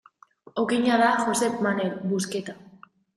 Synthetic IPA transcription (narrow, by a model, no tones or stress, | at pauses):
okiɲaðaʝosepmanelbusket̪a